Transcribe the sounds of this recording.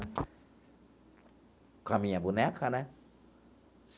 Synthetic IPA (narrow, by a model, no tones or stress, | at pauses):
kʰamiabunɛkʰːana | s